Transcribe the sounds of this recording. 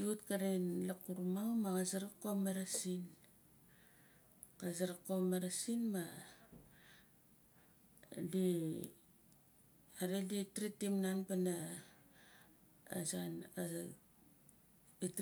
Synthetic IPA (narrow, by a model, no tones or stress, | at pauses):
utkaɾenlakuɾmamakazaɾakomaɾasin | kazaɾakomaɾasinma | di | aɾeditɾitimnanpana | zan | it